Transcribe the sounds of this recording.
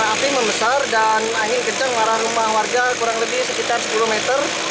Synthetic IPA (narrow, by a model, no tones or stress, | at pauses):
apiməmbəsardanaŋɪnkəɲd͡ʒaŋmaɾahrumahwarɡakuɾaŋləbɪhsəkit̪arsə̥pulumɛt̪ər